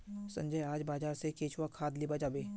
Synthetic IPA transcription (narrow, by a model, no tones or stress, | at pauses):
sɐ̰̃ɲd͡ʒəjaːd͡ʒbaːd͡ʒaːɾsekeːt͡ʃwakʰaːd̪libad͡ʒaːbeː